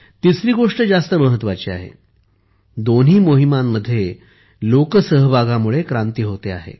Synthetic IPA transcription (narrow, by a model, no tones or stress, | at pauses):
t̪isɾiːɡoʂʈəd͡zast̪əməɦət̪ːʋat͡ɕia̰ɦḛ | d̪on̤ɦiːmoɦimamːəd̪ʱːje | lokəsəɦbʱaɡamuɭekɾant̪iːɦot̪ea̰ɦḛ